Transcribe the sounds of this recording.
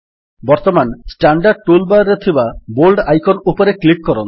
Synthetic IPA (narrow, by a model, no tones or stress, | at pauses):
bɔɾt̪ɔmansʈaɳɖaɾɖ̚ʈulbaɾet̪ʰibabolɖajkɔnupɔɾeklikːɔɾon